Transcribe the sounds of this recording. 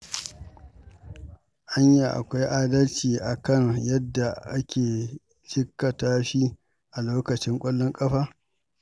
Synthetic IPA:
ʔa˦ɲja˨ʔa̰˨kʷa˦jʔaː˦dɐ˦lt͡ʃiː˨ʔa˨kɐ˦ŋjɐ˦dːa˨ʔa˦kʲʰeː˨ | t͡ʃɪ˦kːɐ˨taː˦ʃi˦ | ʔa˨loː˦kɐ˨t͡ʃɪ˦ŋkʷʼɐ˦lːɔ˦ŋkʼɐ˦ɸaː˦

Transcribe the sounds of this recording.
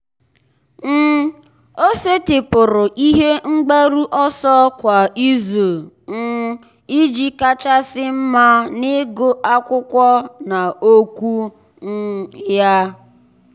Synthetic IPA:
n̩˦ | o˦se˦tɪ˨pʊ˨ɾʊ˨ʔi˦ɦe˦ŋ͡m̩˦ɡ͡be˦ɾu˦ʔɔ˦sɔ˦kʷa˨i˦zo˨ | ŋ̩˦ | i˦d͡ʒi˦ka˦t͡ʃa˦sɪ˦m̩˦ma˦nɪ˦ɡo˦ʔa˦kʷʊ˦kʷɔ˦na˨o˦kʷu˦ | n̩˦ja˦

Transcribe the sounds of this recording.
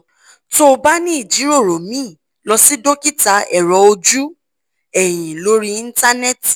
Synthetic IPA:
to˦˧ba˦nĩ˦i˦˨d͡ʒi˨˦ɾo˦˨ɾo˨mĩ˦˨ | lɔ˧si˦do˦ki˦ta˧˦ɛ˨ɾɔ˨˧o˧d͡ʒu˦ | ɛ˨j̃ĩ˨lo˨˦ɾi˦i˦˧˦n˦ta˦nɛ˦t

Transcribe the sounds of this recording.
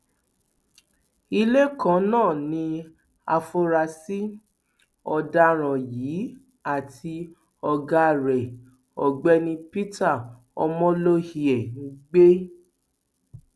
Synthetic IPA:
i˧le˦kã˨˦nãː˦˨nĩ˧ | a˧fo˧ɾa˧si˦ | ɔ˧da˧˦ɾ̃ã˨jiː˨˦ | a˦˨tʰi˧ | ɔ˧ɡa˧˨ɾɛ˨ | ɔ˨ɡ͡bɛ˦nĩ˧pi˦ta˦˨ | ɔ̰˧mɔ̃˦lo˦hi˨ɛ˨ŋ̩˦ɡ͡be˦

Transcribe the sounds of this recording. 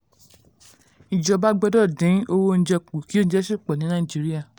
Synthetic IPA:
i˨d͡ʒɔ˧ba˦ɡ͡bɔ˧dɔ˦˨dĩ˨˦o˧wo˧n̩˦d͡ʒɛ˧k͡pu˨ki˦o˦n̩˦d͡ʒɛ˦ʃi˦˨k͡pɔ˨nĩ˨˦nã˦i˨d͡ʒi˨˦ɾi˦a˦˨

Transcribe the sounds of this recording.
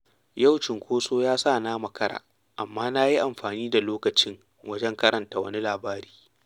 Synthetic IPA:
ja˦˨wt͡ʃɪ˨ŋkʷoː˦soː˦jaː˦saː˦˨naː˦mɐ˨kɐ˦ɾa̰ː˨ | ʔa̰˨mːaː˦na˦ji˦ʔa˨mɸaː˨niː˦da˨loː˦kɐ˨t͡ʃɪ˦ŋ | wɐ˦d͡ʒɛ˦ŋkɐ˦ɾʔɐ˨nta˨wɐ̰˦ni˦laː˨baː˦ɽiː˦

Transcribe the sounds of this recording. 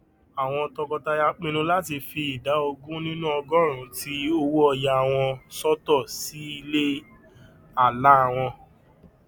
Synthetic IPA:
a˨w̃ɔ̃˧tɔ˧kɔ˧ta˧ja˧k͡pĩ˦nũ˦la˦ti˧fi˧i˨da˨˦o˧ɡũ˦nĩ˦nũ˦ɔ˧ɡɔ̃˦˨ɾ̃ũ˨˦ti˦o˧wu˦ɔ˧ja˧˨w̃ɔ̃˧sɔ˦tɔ˦˨si˨˦i˧le˦ | a˦˨la˨˦a˨w̃ɔ̃˧

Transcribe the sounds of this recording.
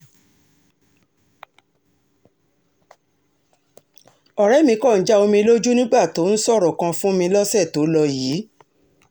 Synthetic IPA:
ɔ˨ɾɛ˨˦mĩ˧kɔ̃˦˨n̩˨˦d͡ʒa˦o˧mĩ˧lo˦d͡ʒu˦nĩ˦ɡ͡ba˦˨to˨˦n̩˦sɔ˦˨ɾɔ˨kã˧fũ˦mĩ˧lɔ˦sɛ˦˨to˨˦lɔ˧jiː˨˦

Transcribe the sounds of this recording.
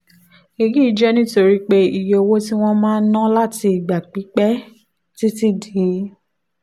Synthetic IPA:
i˧ɡi˦i˨d͡ʒɛ˦nĩ˦to˧ɾi˦k͡pe˦i˨je˧o˧wo˦ti˦w̃ɔ̃˦mãː˦˧˦nã˦la˦ti˧i˨ɡ͡ba˨k͡pi˨˦k͡pɛ˦ | ti˦ti˦di˨˦

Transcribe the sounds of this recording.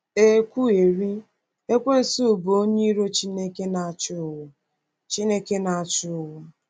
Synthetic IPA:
e˦kʷu˦e˨ɾi˦ | e˦kʷe˦n̩˨su˦u˨bo˨o˦ɲe˦i˦ɾo˦t͡ʃi˦ne˦ke˦na˨t͡ʃʊ˦ʊ˦˨wʊ˨ | t͡ʃi˦ne˦ke˦na˨a˨t͡ʃɪ˦ʊ˦wʊ˦

